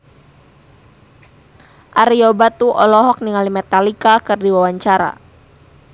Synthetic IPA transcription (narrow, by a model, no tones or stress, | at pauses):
ʔaɾiobat̪uʔɔlɔɦɔk̚niŋalimɛt̪alikakɨrdiwawaɲt͡ʃaɾa̰